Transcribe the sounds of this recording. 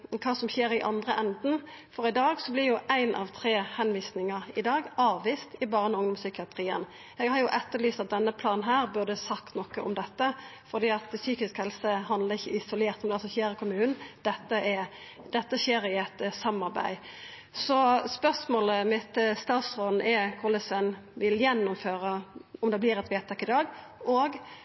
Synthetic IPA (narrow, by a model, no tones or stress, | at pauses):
kʰɑːsɔmçeːɾɪʔɑ̰nd̪ʁəʔɛnd̪n̩fɔɾɪd̪ɑːɡsɔblɪʁjʊʔæɪnʔɑ̰ʋt̪ʰɾeːhɛnʋiːsnɪŋəʁɪd̪ɑːɡɑːʋʋiːst̪ɪbɑːʁənʊŋd̪ɔmsʏkɪɑt̪ʰʁiːə̰n | jɛɡhɑɾjʊʔɛt̪ːəlyːst̪ɑt̪̚d̪ɛnːəpʰlɑːnɦæːʁbʉʁd̪əsɑkt̪nɔkːəʔɔmd̪ɛt̪ːəfɔʁd̪iːɑt̪syːkɪskhɛlsəɦɑnd̪ləʁɪçːəɪsʊleːʁt̪mɔmd̪ɑlsɔçeːɾəkʰʊmʉːnn̩d̪̥ɛt̪ːəɛ | d̪ɛt̪ːəɕeːɾɪɛt̪sɑmːɑɾbæ̰ɪ | sɔspœʁsmoːləmɪt̪st̪ɑːt̪sʁoːd̪n̩ʔɛkʰʊʁlɛsʋɛnʋɪljɛnːʊmføːɾəɔmd̪ɛblɪːɾɛt̪ʋeːt̪ʰɑkɪd̪ɑːɡoːɡ